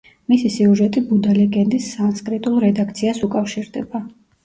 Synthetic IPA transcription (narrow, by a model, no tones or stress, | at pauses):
misisiuʒɛt̪ʼibud̪alɛɡɛnd̪isanskʼɾit̪ʼulˠɾɛd̪ak̚ʰt̪sʰiasukʼafʃiɾd̪ɛba